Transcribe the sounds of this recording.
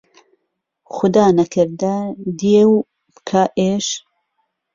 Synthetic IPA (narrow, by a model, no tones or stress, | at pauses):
xʊd̪aːnɐkʰɨɾd̪ɐd̪iew | kʰaʔeːʃ